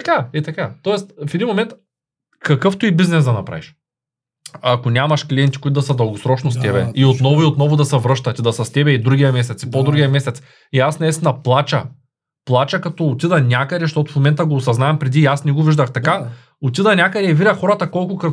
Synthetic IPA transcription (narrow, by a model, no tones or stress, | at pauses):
ɐkaɛt̪ɐkat̪ɔɛst̪fɛd̪inmomɛnt̪ | kɐkɤft̪uibiznɛzd̪ɐnɐpɾa̰viʃ | akonʲamɐʃklʲiɛnt̪ikuit̪ʊd̪ɐsəd̪ɐlˠɡosɾɔt͡ʃnost̪ɛbɛiot̪nɔvʊiot̪nɔvʊd̪ɐsɛvɾɤʃt̪ɐt̪id̪ɐsɐst̪ɛbɛid̪ɾuɡʲiɐmɛsɛt̪si̥pod̪ɾuɡʲijɐmɛsɛt̪s | iasnɐist̪ɛnɐplˠat͡ʃɐ̰ | plˠat͡ʃɐkɐt̪ɔot̪ʲid̪ɐnʲakəd̪ɛʃ̬t̪ɔt̪ʊ̥fmomɛnt̪ɐɡoːsɐznaɛmpɾɛd̪iasnɛɡoviʒd̪ɐxt̪ɐka | ot̪ʲid̪ɐnʲakəd̪ɛɛviɾʲɐxɔɾɐt̪ɐkɔlˠkʊkəɾ